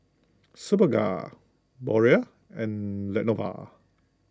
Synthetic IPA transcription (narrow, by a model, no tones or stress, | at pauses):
subəɡa̰ | bɔɹia | ɛ̃nlɛnova̰